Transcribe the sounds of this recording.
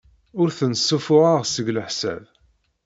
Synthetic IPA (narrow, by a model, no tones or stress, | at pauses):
ʊɾθənsːufʊʁaʁsəɡləħsæ̰v